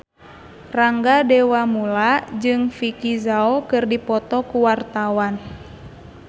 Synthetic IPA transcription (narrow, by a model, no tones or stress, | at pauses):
raŋɡadɛwamulad͡ʒɨŋfikizaɔkɨrdipɔt̪ɔkuwart̪awan